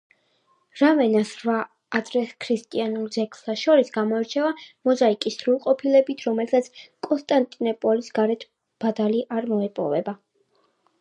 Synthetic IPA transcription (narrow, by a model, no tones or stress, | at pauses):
ɾamɛnasɾvaː | d̪ɾɛskʰɾist̪ʼianulˠd̪zɛkʰlaʃɔɾisɡamɔɛɾt͡ʃʰɛvamɔzaikʼisɾulˠqʼɔpʰilɛbit̪ʰɾɔmɛlsat̪sʰkʼɔnst̪ʼant̪ʼinɔpʼɔlisɡ̥aɾɛt̪ʰ | b̥ad̪aliʔaɾmɔɛpʼɔ̰vɛba